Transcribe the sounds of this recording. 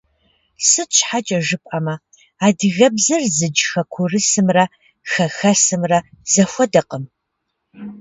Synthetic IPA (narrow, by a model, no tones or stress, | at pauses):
sɨɕħat͡ʃʼɐʒɨpʼamɐ | aːdɨɣɐbzɐrzɨd͡ʒxɐkʷʰʊrɨsɨmrɐ | xɐxɐsɨmrɐz̥ɐxʷɔdɐqəm